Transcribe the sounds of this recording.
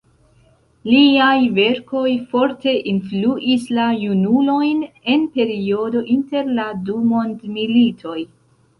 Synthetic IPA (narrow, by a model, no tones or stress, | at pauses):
liajve̞ɾko̞jfo̞ɾte̞ʔinfluʔislajunulo̞jne̞npe̞ɾio̞do̞ʔinte̞ɾladumo̞ndmilitʰo̞j